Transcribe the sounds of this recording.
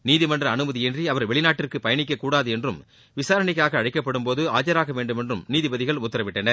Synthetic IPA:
niːðɪmɐndrɐːnɯmɐðɪɛndriɐʋɐɾʋɛɭɪnaːʈːɪrkɯpɐjɐɳɪk̬ːɐkːuːɽaːðɯɛndrɯm | ʋɪsaːɾɐɳɪk̬ːaːɣɐːɽɪkːɐpːɐɽɯmpoːðɯaːt͡ʃɐɾaːɣɐʋeːɳɖɯmɛndrɯmniːðɪbɐðɪɣɐɭʊt̪ːɐɾɐʋɪʈːɐnɐɾ

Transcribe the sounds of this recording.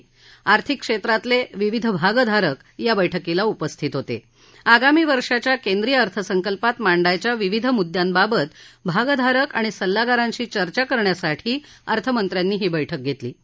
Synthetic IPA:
aɾt̪ʰikːʂet̪ɾat̪leʋiʋid̪ʱəbʱaɡəd̪ʱaɾək | jabəjʈʰəkilaupəst̪ʰiːt̪ɦot̪ḛ | aɡamiːʋəɾʂat͡ɕjakend̪ɾijəəɾt̪ʰəsəŋkəlpat̪maɳɖajt͡ɕjaʋiʋid̪ʱəmud̪jambabət̪bʱaɡəd̪ʱaɾəkaɽ̃isəlːaɡaɾaɲt͡ɕiːt͡ɕəɾt͡ɕakəɾɳjasaʈʰiː | əɾt̪ʰəmənt̪ɾjanːiːɦiːbəjʈʰək̚ɡʱet̪lḭː

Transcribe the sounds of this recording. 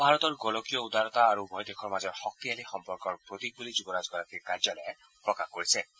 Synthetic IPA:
bʱaɾɔt̪ɔɾɡɔlɔkijɔud̪ʱaɾɔt̪aːɾubʱɔjd̪ekʰɔɾmazɔɾxɔk̚t̪ialixɔmpɔɾkɔɾpɾot̪ik̚bulid͡ʒubɔɾazɡɔɾat̪ikaɾd͡ʒalɔja | pɾɔkaxkoɾisʰe

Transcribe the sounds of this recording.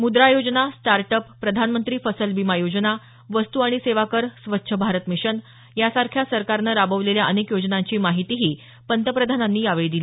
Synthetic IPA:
mud̪ɾajod͡ʑnasʈaɾʈəpːɾəd̪ʱanmənt̪ɾiːfəsəlʋimajod͡ʑna | ʋəst̪uaɽ̃iseʋakəɾsʋətːɕʰəbʱaɾət̪miɕən | jasaɾkʰjasəɾkaɾnəɾabəʋleljaʔənekjod͡ʑnaɲt͡ɕiːmaɦit̪iɦiː | pənt̪əpɾəd̪ʱananːiːaʋɭid̪il

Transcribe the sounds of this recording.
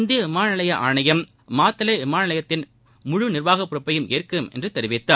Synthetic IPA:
nd̪ɪjɐʋɪmaːnɐlɐjɐʔa̰ːɳɐjɐm | maːt̪ːɐlɐɪʋɪmaːnɪlɐjɐt̪ːɪn | mʊɻʊnɪrʋaːɣɐpːɯɾɐpːɐjɯmeːrkɯmɛ̰ndrɯt̪ɛɾɪʋɪt̪ːɐ

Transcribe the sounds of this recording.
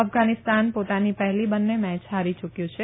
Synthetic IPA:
əfɡanɪst̪anpot̪anipəɦɛlibənːemɛ̃t͡ʃɦaɾit͡ʃukjũt͡ʃʰe

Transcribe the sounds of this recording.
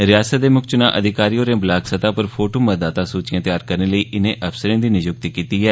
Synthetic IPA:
ɾɪjaːsət̪̚d̪eːmʊkt͡ʃʊnã̰ːʔəd̪ɪkaːɾijõːɾẽːblaːɡsət̪aːpəɾpʰoːʈoːməd̪aːt̪aːsuːt͡ʃjãːt̪ɪjaːɾkəɾneːləiːʔɪnẽːʔəfsəɾẽːd̪iːnɪd͡ʒʊk̚t̪ikiːt̪iːɦɛː

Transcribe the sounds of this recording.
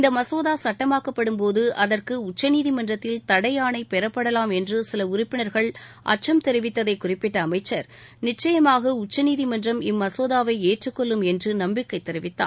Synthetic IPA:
ɪnd̪ɐmɐsoːðaːsɐʈːɐmaːkɐpːɐɽɯmpoːðɯʔɐðɐrkɯʊt͡ʃːɐniːðimɐndrɐt̪ːɪlt̪ɐɽɐjaːɳɐɪpɛɾɐpːɐɽɐlaːmɛndrɯsɪlɐʊrɪpːɪnɐɾɣɐɭʔɐ̰t͡ʃːɐmt̪ɛɾɪʋɪt̪ːɐðɐɪkʊrɪpːɪʈːɐːmɐɪt͡ʃːɐɾnɪt͡ʃːɐjɐmaːɣɐʊt͡ʃːɐniːðimɐndrɐmɪmːɐsoːðaːʋɐɪeːʈrɯkːɔɭːɯmɛndrɯnɐmbɪkːɐɪt̪ːɛɾɪʋɪt̪ːa̰ːn

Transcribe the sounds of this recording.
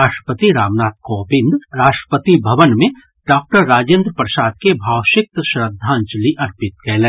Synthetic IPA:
aːʃʈɾə̥pət̪iɾaːmnaːt̪̚koːbɪ̃nd̪ɾaːʃʈɾə̥pət̪ibʱɐʋənmẽ | ɖaːk̚ʈəɾːaːd͡ʒẽnd̪ɾəpɾəʃaːd̪̚kebʱaːwʃɪk̚t̪ʃɾəd̪ʱːãːɲt͡ʃliʔɐɾpɪt̪̚kɛːlẽː

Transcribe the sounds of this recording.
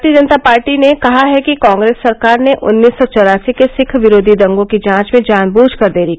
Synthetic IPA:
t̪ijəd͡ʒənt̪apaːɾʈinekɐɦaɦɛkikãːŋɡɾeːsːɐɾkaːɾneʔʔʊ̰nːiːsːɔt͡ʃɔɾaːsikesɪkʰʋɪɾoːd̪ʱid̪ɐ̃ŋɡõkid͡ʒãːt͡ʃmẽd͡ʒãːnbuːd͡ʒkɐɾd̪eːɾi

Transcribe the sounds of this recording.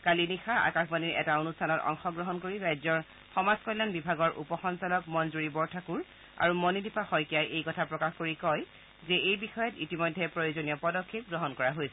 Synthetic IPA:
kalinixaa̰kaxbaniɹʔɛ̰taonustʰanɔtɔ̰ŋxɔɡɹɔɦɔnkoɹiɹajzɔɹ | xɔmaskɔlanbibʱaɡɔɹʔṵpɔxɔnsalɔkmɔnzuɹibɔɹtʰakuɹ | a̰ɹumɔnidipaxɔjkijajʔejkɔtʰapɹɔkaxkoɹikɔj | zɛejbixɔjɔtḭtimɔjdʱːɛpɹojozonijɔpɔdɔkʰːep̚ɡɹɔɦɔnkɔɹaɦojsɛ̥

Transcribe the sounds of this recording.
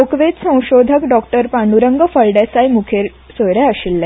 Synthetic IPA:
okʋet̪sə̃w̃ɕod̪ʱəkɖɔk̚ʈəɾpaɳɖuɾəŋɡəfəɭɖesajmukʰeɾ | sojɾaəɕilːa

